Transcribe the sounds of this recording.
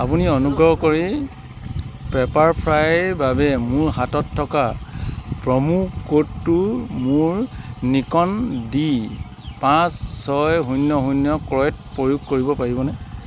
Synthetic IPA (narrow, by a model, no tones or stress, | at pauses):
apuniɔnuɡɹɔɦkoɹi | pɛpaɹpʰɹajbabɛmʊɹɦatɔtʰːɔka | pɹɔmukotːumʊɹnikɔndi | pãsːɔjɦunjɔɦunjɔkɹɔjt̚pojuɡ̚koɹibɔpaɹibɔnɛ